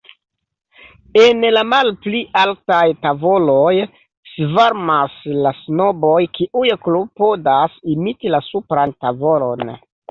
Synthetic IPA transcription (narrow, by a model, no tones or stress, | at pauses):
enlamalpliʔaltajtavoloj | svaɾmaslasno̞bo̞jkiʔujklopo̞dasimitilasupɾantavo̞lo̰n